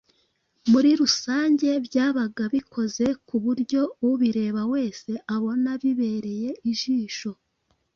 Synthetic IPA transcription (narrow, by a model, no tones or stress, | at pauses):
muɾiɾusaːɲɟe̞βjaːβaɡaβikʰo̞ze̞kuβuɾɟo̞uβiɾe̞ːβawe̞ːse̞ʔaβo̞naβiβe̞ːɾe̞je̞ʔiʒiːʃo̞